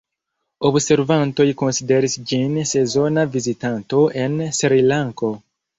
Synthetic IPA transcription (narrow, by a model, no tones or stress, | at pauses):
obse̞ɾvanto̞jko̞nside̞ɾisd͡ʒinse̞zo̞navizitanto̞e̞nsɾilaŋko̞